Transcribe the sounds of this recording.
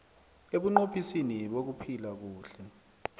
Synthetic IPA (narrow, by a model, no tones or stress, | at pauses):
eɓuŋ͡ǃopʰisiniɓok̬upʰilak̬uːɬɛ